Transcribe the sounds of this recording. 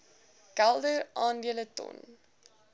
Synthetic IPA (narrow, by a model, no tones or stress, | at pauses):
kælˠdərʔɑːndiələtɔ̰n